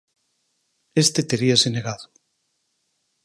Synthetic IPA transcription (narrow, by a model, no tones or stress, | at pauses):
est̪et̪eɾiasineɣaðo